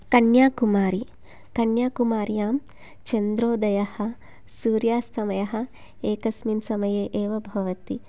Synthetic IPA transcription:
kɐɳjaːkumaːɾi | kɐɳjaːkumaːɾjaːm | t͡ʃɐnd̪ɾoːd̪ɐjɐhɐ̆ | suːɾjaːst̪ʰɐmɐjɐɦɐ̆ | eːkɐsminsɐmɐjeːʔeːʋɐbʱɐʋɐt̪i

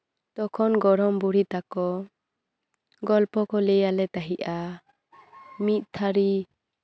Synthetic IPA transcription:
t̪ɔkʰɔnɡɔɽɔmbuɽit̪akɔ | ɡɔlpɔkɔlɛjalɛt̪aɦiʔa | mit̪̚ˀt̪ʰaɾi

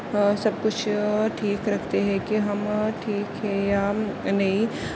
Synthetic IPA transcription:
sɐb̚kʊt͡ʃʰʈʰiːkɾɐkʰt̪eɦɛ̃kiɦɐmʈʰiːkɦɛjaːnɐɦĩ

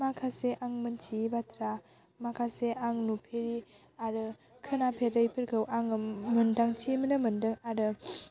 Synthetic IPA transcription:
makʰaseʔaŋmɯnt͡ʃibatʰɾa | makʰaseaŋnupʰeɾi | aɾɯ | kʰɯnapʰeɾəjpʰeɾkʰɯwʔaŋmɯndaŋt͡ʃimənɯmɯndɯŋaɾɯ

